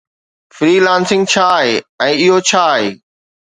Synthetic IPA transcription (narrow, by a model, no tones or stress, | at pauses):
fɾiːlãːnsɪ̃ŋɡ̚t͡ɕʰaːɦeːɛ̃ːɪɦot͡ɕʰaːɦeː